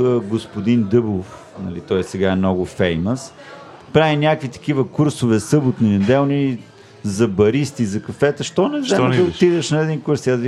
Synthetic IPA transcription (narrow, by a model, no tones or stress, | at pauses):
əɡospʊd̪ind̪ɤblˠof | nɐ̰lit̪ɔjɛsɛɡaɛmnɔɡʊfɛjməs | pɾavinʲjakvit̪ɐ̥k̟ivəkuɾsovɛsɤbʊt̪ninɛd̪ɛlˠni | zɐbɐɾist̪izɐkɐfɛt̪əʃt̪ɔnɛzad̪ɐot̪id̪ɛʃnɐɛd̪inkuɾsiazv